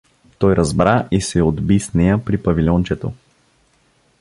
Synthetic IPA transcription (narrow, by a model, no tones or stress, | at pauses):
t̪ɔjɾɐzbɾaʔisɛod̪bisnɛjəpɾipɐvilʲɔnt͡ʃɛt̪o̰